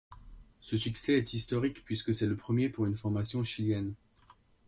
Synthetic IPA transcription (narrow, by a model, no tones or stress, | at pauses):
səsyksɛːt̪ist̪ɔʁikpɥiskəsɛləpχəmjepuʁynfɔʁmasjɔ̃ʃiljɛn